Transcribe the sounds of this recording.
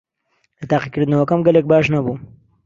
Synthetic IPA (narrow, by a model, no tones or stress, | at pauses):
lɐt̪aːqikɨɾd̪ɨnɐwɐkɐmɡɐlek̚baːʃnɐbu